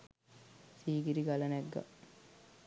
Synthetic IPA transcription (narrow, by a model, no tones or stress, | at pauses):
siːɡiɾiɡalɐnɛɡːa̰